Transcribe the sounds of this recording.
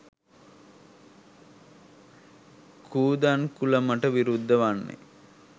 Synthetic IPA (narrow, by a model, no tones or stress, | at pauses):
kʰuːd̪ankuləməʈəʋiɾud̪ːəʋanːḛ